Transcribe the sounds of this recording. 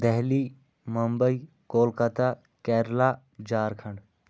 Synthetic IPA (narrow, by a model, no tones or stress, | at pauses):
d̪ɛɦliː | mɐmbəi | koːlkət̪a | kɛːɾlaː | d͡ʒaːɾkʰɐɳɖ